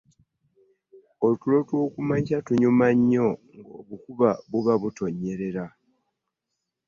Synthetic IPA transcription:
o̞lutulo̞two̞ːkumaɲcatuɲumaɲːo̞ŋɡoːβukuβaβuβaβuto̞ɲːe̞ɾe̞ɾa

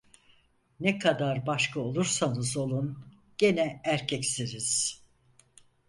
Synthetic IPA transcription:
nɛkʰad̪aɾbaʃkʰao̞lˠuɾsanɯzo̞lˠun | ɟ̥enɛæɾcʰɛcsiɾiz̥

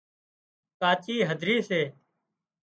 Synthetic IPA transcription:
kaːt͡ʃiːɦəd̪ʱɾiːseː

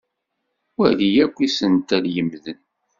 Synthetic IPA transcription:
wæðijækʷːisənt̪æljəmðən

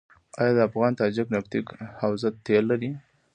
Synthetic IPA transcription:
ɑ̰jɑd̪əafɣɑnt̪ɑd͡ʒɪknaft̪ikhawzat̪ːelːaɾi

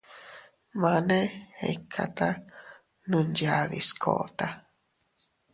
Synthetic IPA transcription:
mãnẽhḛkʰːa̰t̪a | nũnjaðḭskʰo̰ʔt̪a

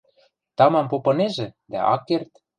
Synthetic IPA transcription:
t̪ɑmɑmpopɤ̆neʒĕd̪æ̰ʔɑ̰kːert̪

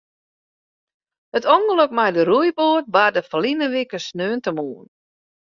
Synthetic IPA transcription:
hətʰɔŋɡələkmajdəɾujboət̚badəfəlinəʋikəsnøːntəmuːn

